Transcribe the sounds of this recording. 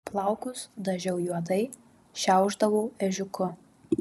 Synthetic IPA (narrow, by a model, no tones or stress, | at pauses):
plˠɐˑʊkʊsd̪ɐʒʲɛʊjuɔd̪ɐɪ | ʃʲæˑʊʒd̪ɐʋoːɛʒʲʊkʊ